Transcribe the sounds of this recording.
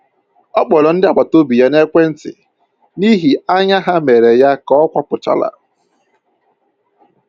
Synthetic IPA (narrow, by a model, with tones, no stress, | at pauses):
ɔ˦k͡pɔ˨lɔ˨n̩˦dɪ˦a˦˨k͡pʷa˨to˦bi˨ja˦ne˦kʷe˦n̩˦tɪ̰˨ | ni˦ɦi˨a˦ɲa˦ɦa˦me˨ɾe˨ja˦kɔ˦kʷa˦pʊ˨t͡ʃa̰˦la̰˨ɾ